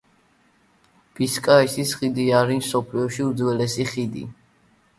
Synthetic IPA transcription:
b̥iskʼaɛsisχid̪iaɾimsɔpʰliɔʃiud̪zwɛlɛsiχid̪ḭ

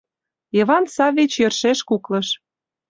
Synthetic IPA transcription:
jeβɑnsɑvʲit͡ɕjə̆rʃeʃkuklɤ̆ʃ

